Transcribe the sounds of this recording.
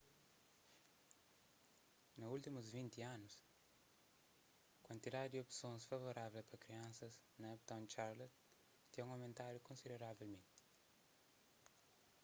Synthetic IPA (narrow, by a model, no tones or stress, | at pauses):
nɐult̪imuzvĩnt̪iãnus | kwɐ̃nt̪id̪ad̪id̪iopsõnsfɐvoɾavelpɐkɾiãnsɐsnɐɛpt̪õnt͡ʃaɾlot̪ | t̪iũɐmẽnt̪aɾjukõnsid̪eɾavelmẽnt̪i̥